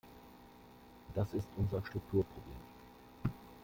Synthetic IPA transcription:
d̥asɪstʔʊnzɐʃtʁ̥ʊk̚tʰuːɐpʁ̥oblḛːm

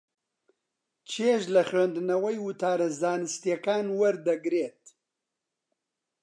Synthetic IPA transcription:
t͡ʃʰeːʒlɐxwend̪ɨnɐwɐjwɨt̪ʰaːɾɐzzaːnɨst̪jekaːnwɐɾd̪ɐɡɾeːt̪̚

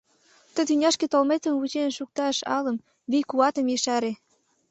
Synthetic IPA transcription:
t̪ə̆t̪ynʲɑʃket̪olmet̪ə̆mvut͡ɕenʃuk̚t̪ɑʃɑ̰lə̆m | βijkuɑt̪ə̆mjəʃɑɾe

